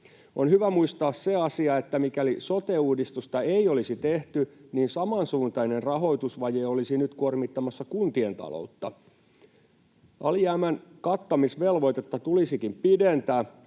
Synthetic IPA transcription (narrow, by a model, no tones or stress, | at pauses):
onhyʋæmuist̪ɑːsseɑsiɑet̪ːæmikælisot̪euːdist̪ust̪ɑeiolisit̪eht̪yniːnsɑmɑnsuːnt̪ɑinerrɑɦo̞it̪usʋɑjeːolisinyt̪kuormit̪ːɑmɑsːɑkunt̪ient̪ɑ̰lo̰ut̪ːɑ | ʔɑ̰lijæːmænkɑt̪ːɑmisʋelʋo̞it̪et̪ːɑt̪ulisikimpident̪æː